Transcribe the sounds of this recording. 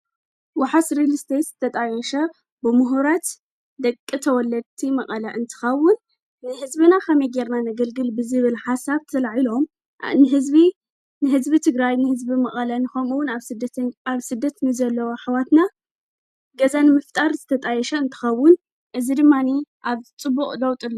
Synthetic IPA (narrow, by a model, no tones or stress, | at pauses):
waħasɾilist̪ʰet̪z̥ɨt̪ʰɐt̪ʼajɛʃɐ | bɨmuɦuɾat̪ | d̪ɐkʼːit̪ʰɐwɔlːɐd̪̚t̪ʰimɐqʼɐlaʔɨnt̪ʰɨ̥xɐwːʊnː | ɨhɨzbɨnakʰɐmɐjɡeɾnanɐɡɐlɡɨlbɨzɨβɨlħasaβt̪ʰɐlaʕilom | nɨɦɨzbi | nɨɦɨzbit̪ʰɨɡɾajnɨhɨzbimɐχʼɐlɐnɨxomuwʊnaβɨd̪ɐaβsɨd̪ːɐt̪nɨzɐlːɐwoħawat̪na | ɡɐzanɨmɨft̪ʼaɾzɨt̪ʰɐt̪ʼajɛʃɐɨnt̪ʰɨ̥xɐwːʊn | ʔɨzid̪ɨmːaniʔaβt͡sʼɨbːuχʼlɐwt̪ʼɨlː